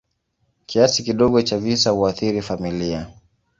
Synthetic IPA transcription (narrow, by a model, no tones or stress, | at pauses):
kʰiasikiɗɔɠɔt͡ʃavisahuaθiɾifamilia